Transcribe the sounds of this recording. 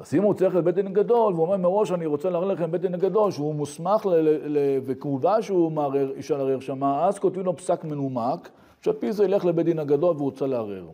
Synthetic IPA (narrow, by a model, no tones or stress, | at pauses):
azimut͡seχlebet̪̚dinaɡad̪o̞lveuomeʁmeʁo̞ʃaniʁot͡seleaʁeleχembet̪dinhaɡad̪o̞lʃeumusmaχlelevekvuvaʃeumeaʁeʁiʃalaʁeʁʃamaazkot̪ilo̞psakmenumak | ʃealpizeileχlebet̪̚d̪inaɡad̪o̞lveut͡saleaʁḛʁ